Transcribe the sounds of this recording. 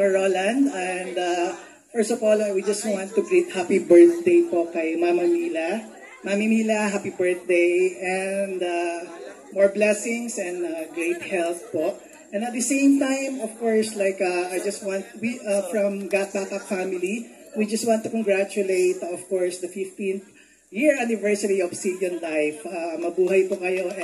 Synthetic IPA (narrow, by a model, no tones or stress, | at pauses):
ɔɹolɐ̃nd̪ɛ̃nd̪a | fɛɹstɔvɔlwid͡ʒɐst̪wãnt̪ːʊɡɹit̪̚hapibɛɹθd̪ejpokɐjmamɐmilɐ | mamimiːlɐɦapibɛɹθ̚d̪ejɛnd̪a | mɔɹblɛsɪ̃ŋsɛ̃naɡɹeɪt̪̚hɛlθ̚poʔ | ʔɛ̃nɐt̪̚d̪ɐsẽɪ̃mt̪ãjmɔv̥kɔɹslaɪkaajd͡ʒɐst̪̚wãnt̪wiʔɐfɹɐ̃mɡat̪̚pat̪ak̚famɪli | wid͡ʒɐst̪̚wãnt̪ːukɔŋɡɹat͡ʃʊleɪt̪ɔv̥kɔɹsd̪ɐfɪft̪ĩnθ | jɪɹanɪvɛɹsɐɾiɔvsid̪jɔ̃nlajfamɐbuːɦɐjpʊkɐjoʔ